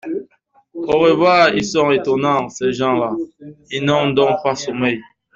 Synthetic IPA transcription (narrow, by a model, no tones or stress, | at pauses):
oʁevwaːilsɔ̃ʁetɔnɑ̃sɛʒɑ̃lailnɔ̃d̪ɔ̃pasomɛj